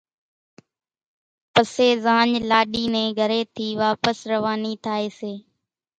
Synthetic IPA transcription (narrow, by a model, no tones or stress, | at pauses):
pəseːzãːɲlaːɗiːnẽːɡʱəɾeːt̪ʰiːʋaːpəsɾəʋaːniːt̪ʰaːeːseː